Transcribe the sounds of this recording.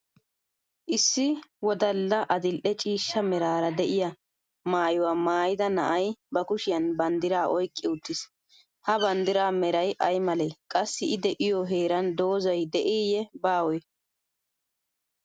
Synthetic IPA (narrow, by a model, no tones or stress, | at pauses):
ʔɪsːɪwɔd̪ɐlːɐʔɐd̪ɪlʔɛt͡ʃʼiːʃːɐmɛɾaːɾɐd̪ɛʔɪjɐ | maːjʊwaːmaːjɪd̪ɐnɐ̰ʔɐjbɐkʊʃɪjɐnbɐnd̪ɪɾaːʔɔjkʼːɪʊt̪ːɪs | hɐbɐnd̪ɪɾaːmɛɾɐjʔɐjmɐlɛjkʼɐsːɪɪd̪ɛʔɪjɔɦeːɾɐnd̪o̞ːzɐjd̪ɛʔiːjɛbaːwɔj